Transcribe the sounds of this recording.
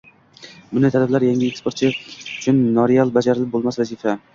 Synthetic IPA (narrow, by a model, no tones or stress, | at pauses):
bʊnɪt̪ʰalɪblaɾjaŋʲɪekspʰoɾt̪t͡ʃʰɪʊt͡ʃʰʊnːɒɾijalˠbad͡ʒaɾɪlɪp̚bolˠmasvazifa